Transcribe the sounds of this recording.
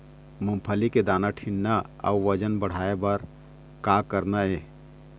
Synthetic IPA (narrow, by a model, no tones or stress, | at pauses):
mʊmpʰəliked̪aːnaʈʰiɳnaə̰uʋəd͡ʒənbəɽ̤aːebəɾ | kaːkəɾnaeː